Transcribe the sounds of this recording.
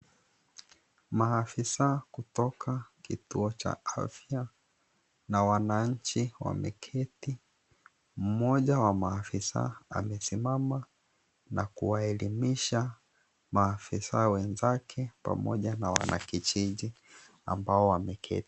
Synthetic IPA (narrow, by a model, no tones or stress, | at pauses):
maːfisakutɔkʰakituɔt͡ʃa̰a̰fja | nawanaɲ̩t͡ʃiwa̰mɛkʰɛti | m̩mɔʄawamaːfisa̰a̰mɛsimama | nʔakuwaɛlimiʃa | maːfisawɛnzakʰɛpa̰mɔ̰ʄanawa̰nʔa̰kit͡ʃiʄi | a̰mbaɔwamɛkʰɛ̰ti̥